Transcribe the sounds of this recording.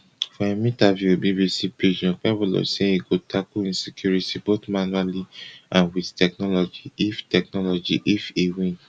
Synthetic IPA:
fɔemĩtavjuebibisipɾiʃɔ̃pɛbulɔ̰sẽiɡotʰakuĩnsikjuɹitibotmanualiãnwidtʰɛknɔlɔd͡ʒiiftɛk̚nɔlɔd͡ʒḭʔifiwĩn

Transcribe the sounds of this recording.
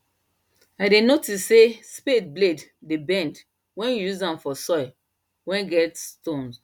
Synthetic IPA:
aɪdenotisːesped̚bleddebɛ̃nd | wɛ̃njuzãmfɔsɔɪ | wɛ̃nɡɛtstõns

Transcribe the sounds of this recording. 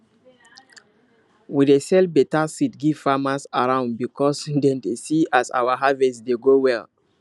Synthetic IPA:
widesɛlbɛtasitɡiv̥famasaɹãʊ̃nd̚bikʰɔsdɛ̃ndesiasa̰waɦavɛsdeɡowɛl

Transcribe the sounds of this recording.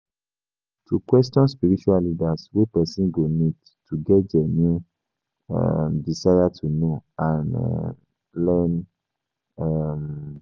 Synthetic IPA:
tukwɛstɔ̃nspiɾit͡ʃualidaswepɛsĩɡonĩd | tuɡɛd͡ʒɛnĩ | ɛ̰mdisajatʰunõan̰ | lɛn | am

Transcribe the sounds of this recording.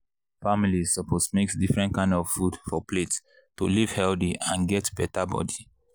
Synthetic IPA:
familizsɔpʰosmeksdifɹɛ̃nt̚kãɪ̃ndɔv̥fudfɔplets | tuliv̥hɛldiãnɡɛtb̥ɛtabɔ̰di

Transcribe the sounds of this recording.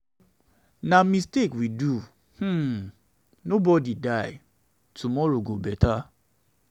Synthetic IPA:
namistekwidu | h̩ | nobɔdidajɪ | tumɔɹoɡobɛtʰa

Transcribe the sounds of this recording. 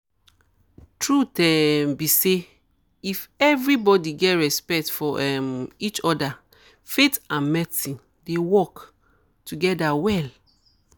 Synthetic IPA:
tʰɹutɛmbise | ifɛvɹibɔdiɡɛtɹɛspɛk̚tfɔʔɛmit͡ʃɔda | fetãnmɛtĩ | dewɔk | tuɡɛdawɛl

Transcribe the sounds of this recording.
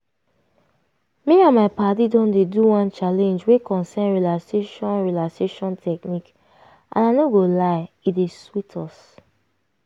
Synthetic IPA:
miãnmaɪpatidɔ̃ndeduwãnt͡ʃalɛ̃nd͡ʒwekɔ̃nsɛnɹilakseʃɔ̃nɹilakseʃɔ̃ntʰɛk̚nik | ʔã̰naɪnoɡolaɪ | ideswitʰɔs

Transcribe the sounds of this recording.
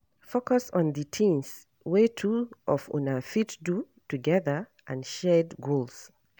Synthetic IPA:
fokɔsɔ̃nditʰĩns | wetʰuʔɔfṵ̃nafitdu | tuɡɛðə˞ | ʔãnʃɛdɡolˠs

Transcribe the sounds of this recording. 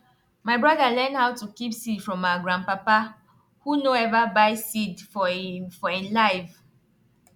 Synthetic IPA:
maɪbɹaðalɛ̃ndhaʊtukipsidfɹɔ̃maɡɹãnpapa | hunoɛvabaɪsidfɔfɔĩnlaɪv

